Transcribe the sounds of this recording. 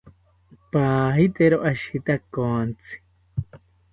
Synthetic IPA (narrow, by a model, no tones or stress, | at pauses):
paɦit̪eɾoʔaʃit̪akont͡si̥